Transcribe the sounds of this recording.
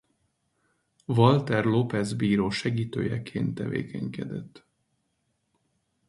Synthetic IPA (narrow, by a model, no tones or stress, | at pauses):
vɒlt̪ɛrlopɛzbiːɾoːʃɛɡiːt̪ø̰ːjɛkʰeːnt̪ːɛvḛːkʰɛŋkɛd̪ɛt̪ː